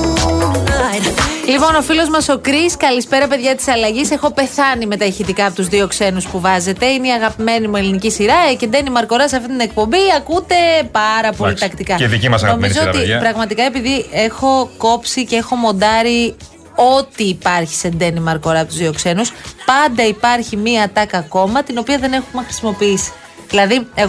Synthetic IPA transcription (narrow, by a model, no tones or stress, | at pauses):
lipo̞no̞filo̞zmɐso̞kɾiskɐlispe̞ɾɐpe̞ðʝɐt̪i̥sɐlɐʝise̞xo̞pe̞θɐnime̞t̪ɐiçit̪ikɐːpot̪uzðio̞kse̞nuspuvɐze̞t̪e̞ineiɐɣɐpime̞nimuelinicisiɾɐece̞nd̪e̞nimɐɾko̞ɾɐseɐft̪int̪ine̞k̚po̞mbiɐkud̪e̞pɐɾɐpo̞lit̪ɐkt̪ikɐðiimɐsɐno̞mizzoot̪ipɾɐɣmɐt̪ikɐe̞piðie̞xo̞ko̞psicee̞xo̞mo̞nd̪ɐɾi | o̞t̪iːpɐɾçi̥se̞nd̪e̞nimɐɾko̞ɾɐpot̪uzðio̞kse̞nuspɐnd̪ɐipɐɾçimiɐt̪ɐkɐko̞mɐt̪ino̞piɐðe̞ne̞xumexɾi̥simo̞piisi̥ | ðilɐðieɣ